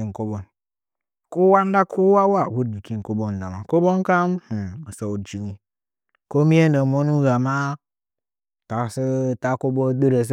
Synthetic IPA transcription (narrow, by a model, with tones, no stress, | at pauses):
i˨ŋ˨ko˦bo˨n | ku˦wa˦n˦da˦kʰu˦wa˦wa˦˨wu˦d̚bi˨ki˦˨ko˦bo˦n˨da˨ma˨ko˦bo˦nka˦m̩˨mə˨so˨u˨d͡ʒi˨ɲi˨ | ko˦mi˦e˦nə˨mo˦nu˦ɡa˨ma˦ | ta˨sə˦ta˦ko˦bo˦ɗə˦ɾə˨s̬